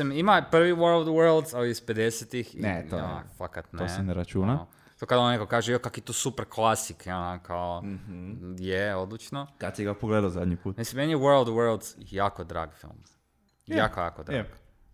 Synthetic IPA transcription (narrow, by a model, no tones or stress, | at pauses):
imimapr̩ʋiwəɾlˠd̪wəɾlˠd̪aliisped̪eset̪ixḭnet̪oo̰na̰fakat̪noseneɾat͡ʃuna | t̪okad̪onnekokaːʒeiokakojet̪osupeɾklˠasikonakʰao | jeod̪lit͡ʃnokad̪siɡapoɡleːd̪aozad̪ɲipuːt̪misimenjɛwəɾlˠd̪wəɾlˠd̪zjaːkod̪ɾa̰ːɡ̥fḭlˠm | jakoja̰ːkod̪ɾaɡ